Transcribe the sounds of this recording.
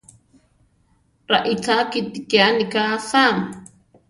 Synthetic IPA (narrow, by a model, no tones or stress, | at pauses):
ɾaʔit͡sʰakit̪ikanikasaŋ